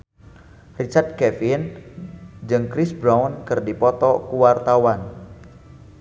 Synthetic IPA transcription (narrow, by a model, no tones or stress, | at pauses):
rit͡ʃart̪̚kɛfin | d͡ʒɨŋkɾisbɾawnkɨrdipɔt̪ɔkuwart̪awan